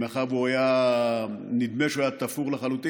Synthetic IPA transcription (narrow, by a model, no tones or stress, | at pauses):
eχavuaja | nid̪meʃojat̪afuʁleχalut̪i